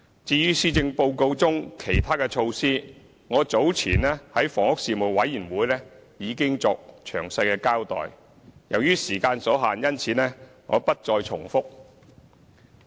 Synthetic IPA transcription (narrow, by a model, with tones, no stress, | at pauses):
t͡siː˧jyː˥siː˥t͡sɪ˧ŋpo˧wko˧wt͡sʊ˥ŋkʰe˨˩jt̪ʰaː˥kɛ˧t͡ʃʰo˧wsiː˥ | ŋɔː˨˧t͡so˨˥wt͡sʰḭː˨˩nlɛː˥hɐ˨˥jfɔː˨˩ŋʊ˥k̚siː˨˧mo˨˩wwɐ˨˥jːiː˨˩nwuː˨˥jlɛː˥jiː˨˧kɪ˥ŋt͡sɔː˧k̚t͡ʃʰœː˨˩ŋsɐ˧jkɛː˧kaː˥wt̪ɔ̰ː˨j | jɐ˨˩wjyː˥siː˨˩kaː˧nsɔː˨˥ɦaː˨njɐ˥nt͡sʰiː˨˧˥nɛː˥ŋɔ̰ː˨˧pɐ˥t̚t͡sɔː˧jt͡sʰʊ˨˩ŋfʊ˥k̚